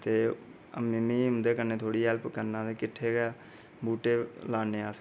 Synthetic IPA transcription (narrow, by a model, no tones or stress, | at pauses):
t̪eː | əmɪmiːɦʊ̃nd̪eːkəɾneːt̪ʰoːɽiːɦɛːlpkəɾnãːt̪eːkɪʈʰːeːɡɛː | buːʈeːlaːnẽːaːs